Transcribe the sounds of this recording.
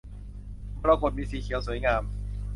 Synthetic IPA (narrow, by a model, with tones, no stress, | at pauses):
pɾaː˧ko˨˩t̪̚miː˧siː˨˩˦kʰi˨˩˦wsu˨˩˦jŋaː˧m